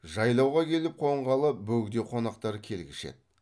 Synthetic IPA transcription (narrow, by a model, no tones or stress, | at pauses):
ʒɑjlˠɑwʁɑkʲʰe̞lɪp̚qʰo̞ɴʁɑlˠəbɵɡd̪e̞qʰo̞nɑqt̪ɑɾkʲʰe̞lɡʲɪʃe̞̰t̪̚